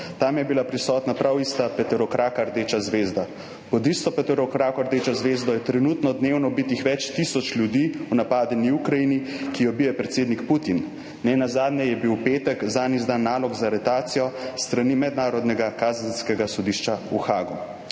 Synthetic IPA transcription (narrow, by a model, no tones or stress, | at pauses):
t̪amjɛbilapɾisɔːt̪napɾʔawist̪apɛt̪ɛɾɔkɾaːkaɾd̪et͡ʃazʋeːzd̪a | pɔd̪ist̪ɔpɛt̪ɛɾɔkɾakɔɾd̪eːt͡ʃɔzʋeːzd̪ɔjɛt̪ɾɛnut̪nɔd̪neːwnɔbit̪ixʋɛt͡ʃt̪isɔt͡ʃlʲjud̪iunapaːd̪ɛniukɾajinikiɔbijɛpɾɛt̪seːd̪nikput̪in | nɛnazaːd̪nɲɛjɛbiwpeːt̪ɛkzanizd̪anːaːlɔɡzaɾɛt̪aːt̪sijɔst̪ɾanimɛd̪naːɾɔd̪nɛɡakaːzanskɛɡasɔd̪iʃt͡ʃauxaːɡu